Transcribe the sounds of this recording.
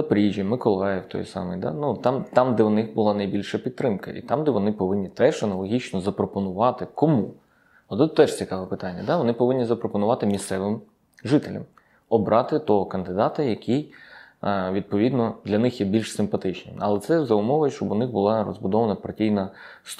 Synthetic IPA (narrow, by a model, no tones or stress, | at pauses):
pɾʲiʒʲimɪkɔlˠɑjɪwt̪ɔ̰jsɑ̰mɪ̰jd̪ɑ̰nut̪ɑmt̪ɑmd̪ɛwnɪxbʊlˠɑnɐjbʲilʲʃɐpʲid̪t̪ːɾɪmkɐ̰ʔḭt̪ɑmd̪ɛʋɔnɪpɔʋɪnʲːit̪ɛʒɐnɐlˠɔɦʲit͡ʃnɔzɐpɾɔpɔnʊʋɑt̪ɪkɔmu | ɔt̪ɛt̪t̪ɛʂt͡sʲikɑʋɛpɪt̪ɑnʲːɐd̪ɑʋɔnɪpɔʋɪnʲːizɐpɾɔpɔnʊʋɑt̪ɪmʲist̪sɛʋɪm | ʒɪt̪elʲɐ̰m | ɔbɾʔɑt̪ɪt̪ɔɦɔkɐnd̪ɪd̪ɑt̪ɐjɐkʲʰij | ʋʲid̪̚pɔʋʲid̪nɔd̪lʲɐnɪxjɛbʲilʲʃsɪmpɐt̪ɪt͡ʃnɪ̰jɐ̰lˠɛt̪sɛzɐʊmɔʋʊjʃt͡ʃɔbʊnɪxbʊlˠɑrɔ̰zbʊd̪ɔʋɐnɐpɐrtʲijnɐ | st̪